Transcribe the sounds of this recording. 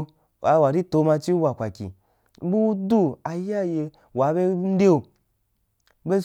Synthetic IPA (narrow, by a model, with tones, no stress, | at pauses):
a˧wa˨ɾi˦to˨˧˦ma˧t͡ʃi˦wa˨kʷa˨kʲḭ˨˦ | bu˦u˦du˦a˨ja˦je˧ | wa˨˦be˦n̩˦de˦o˧ | be˦